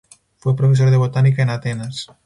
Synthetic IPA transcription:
fwepɾofisoɾðeβot̪anikaenat̪enas

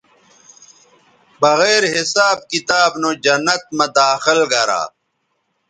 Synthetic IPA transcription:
bɐɣeːɾɦisaːb̚kit̪aːbnod͡ʑɐnːɐt̪̚mɐd̪aːxilɡɐɾa̰ː

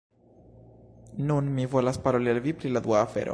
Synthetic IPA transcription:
nunmivolaspaɾolialvipɾilad̪uaːfḛɾo̰

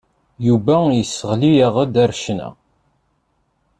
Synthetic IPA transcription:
juvæjəsːəʁlijaʁəd̪æɾʃnæ̰

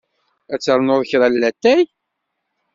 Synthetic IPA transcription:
æt͡sːəɾˤnʊðˤəçɾˤælːæt̪ːæj

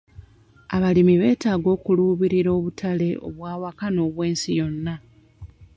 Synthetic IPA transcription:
aβalimiβe̞ːtaːɡo̞ːkuluːβiɾiɾo̞ːβutʰale̞ʔo̞̰βwaːwakano̞ːβwe̞ːnsijo̞nːa

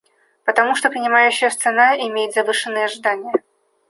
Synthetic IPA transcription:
pət̪ɐmuʂt̪opɾʲɪnʲɪmajʉɕːɪjəst̪sɨnaɪmʲejɪt̪zɐvɨʂɨnːɨjəːʐɨd̪anʲɪjə

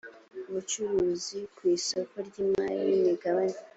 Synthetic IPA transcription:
uβut͡ʃuɾuːzikwiːso̞ko̞ɾɟiːmajiniɡaβane

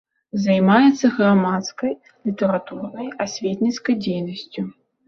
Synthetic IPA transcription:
zajmajɛt̪sːɐɣramat̪skɐj | lʲit̪ɛɾat̪urnɐjasʲvʲet̪ʲnʲit̪skɐjd͡zʲejnɐsʲt͡sʲu

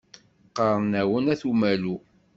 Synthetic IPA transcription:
qɑɾˤnæwənæθumælu

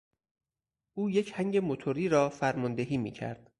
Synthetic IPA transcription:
ʔuːje̞cʰhæŋɟemot̪ʰoɾiːɾɒːfæɾmɒnd̪eɦiːmḭːcʰæ̰ɾd̪̥̚

